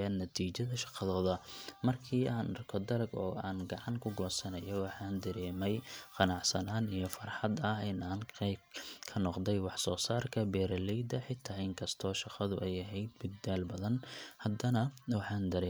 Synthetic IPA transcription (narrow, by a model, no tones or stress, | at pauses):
aːnːɐt̪ʰiːt͡ʃɐðɐʃɑ̥qɑðɔːðɐmɐrkʰiːaːnʔɐrkʰɔd̪ɐlɐɡɔ̰ːʔaːnɡɑʕɑŋkʰʊɡɔːsɐnɐjɔwɑħɑːnd̪ɐɾɛːmɛjqɑnɑʕsɐnaːnijɞfɑrħɑd̪ɐhɪnaːnqɛbkʰɐnɔqd̪ɛjwɑħsɔːsaːrkʰɐbɛːɾɐlɛjd̪ɐħɪt̪ʰːaːɪŋkʰɐst̪ʰɔːʃɑqɑðʊʔɛjɐɦɛjd̪̚bɪd̪aːlbɐðɐnhɐd̪ɐnɐwɑħɑːnd̪ɐɾɛː